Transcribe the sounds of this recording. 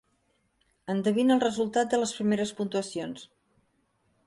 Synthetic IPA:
ənd̪əβ̞inəlˠrəzulˠt̪at̪̚d̪ələspɾimeɾəspunt̪uəsions

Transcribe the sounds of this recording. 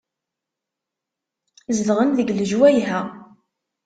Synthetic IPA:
zəðʁənðəɡləʒwæjɦæ

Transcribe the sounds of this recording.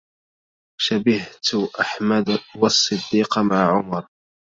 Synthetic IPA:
ʃabɪht̪ʔaħmad̪wɑsˤːɨd̪ːiːqmaʕʕʊmɑɾˤ

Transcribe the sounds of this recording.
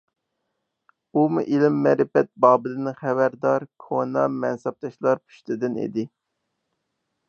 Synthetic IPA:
umuʔilɪmːɛɾɪfɛt̪̚bɑːbɨlɪnχɛvæɾd̪ɑɾkʰonɑmɛnsɛp̚t̪ʰɑʃlˠɑɾpʰy̥ʃt̪ɪd̪ɪnḭd̪ɪ

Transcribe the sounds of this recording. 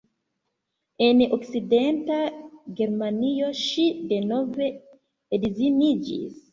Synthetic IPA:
e̞nokside̞ntaɡe̞ɾmanio̞ʃide̞no̞ve̞ː | dizinid͡ʒḭs

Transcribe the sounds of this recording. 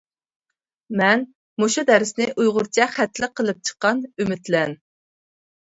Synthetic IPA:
mɛn | muʃud̪ɛɾɪsnɪʔujʁʊɾt͡ʃʰɛχæt̪ʰlɪqʰːəlˠɨp̚t͡ʃʰə̥qːɑnymɪt̪lɛn

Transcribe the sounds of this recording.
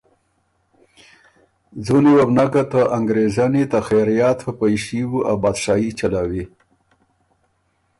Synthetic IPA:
zuniwabnakat̪aʔaŋɡɾezanit̪axaɾijɑt̪əpajʃiwuʔawbad̪ʃɑit͡ʃalawi

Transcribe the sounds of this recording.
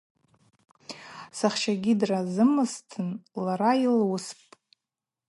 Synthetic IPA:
saχʃaɡʲidrazɨmɨstʰɨnlaɾailwʊspʼ

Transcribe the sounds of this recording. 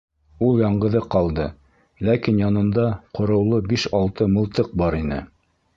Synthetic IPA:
ulˠjɑɴɢɤ̆ðɤqɑlˠd̪ɤ | lækinjɑnɤ̆nd̪ɑqŏɾɤ̆wlˠɤbiʃɑlˠt̪ɤmɤ̆lˠt̪ɤq̚bɑɾinɘ̰

